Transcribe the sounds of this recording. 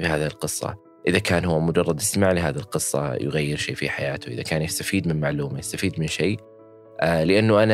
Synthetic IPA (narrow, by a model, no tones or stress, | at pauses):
bɪhaːðɪɪlqɨsˤːɑ̰ | ʔɪðakaːnhʊwːamʊd͡ʒɑrˤːɑd̪ʔɪsmaʕlɪɦaːðɪlqɨsˤːɑ̰jʊɣajːɪɾʃeːfiħajaːt̪ʊʔɪ̰ðakaːnjɪst̪afiːd̪mɪnmaʕluːmajast̪afiːd̪mɪnʃeː | lɪʔanːʊʔana